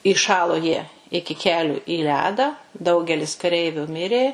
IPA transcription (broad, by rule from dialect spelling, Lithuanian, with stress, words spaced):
ɪˈʃɑːlˠoː jiɛ ˈɪkʲɪ ˈkʲæːlʲuː iː ˈlʲæːdɑː ˈdɐʊɡʲɛlʲɪs kɐˈrʲɛɪʋʲʊ ˈmʲɪrʲeː